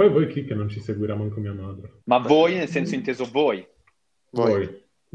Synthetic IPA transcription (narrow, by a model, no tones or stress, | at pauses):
ojvojkʰikenõnt͡ʃiseɡwiɾamãŋkomiːamad̪ɾemavojnelsẽnsʊĩnt̪ezovoj | voj